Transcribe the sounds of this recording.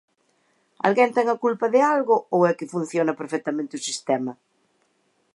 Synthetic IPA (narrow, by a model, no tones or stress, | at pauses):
a̰lɣɛnt̪ɛŋɐkulpɐðɪalɣʊowɛkɪfun̟θjonɐpeɾfɛt̪ɐmẽnt̪ɪʊsist̪ɛmɐ